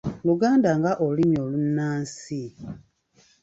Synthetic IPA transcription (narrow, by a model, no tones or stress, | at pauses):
luɡaːndaŋɡaʔoliɲolunːaːnsi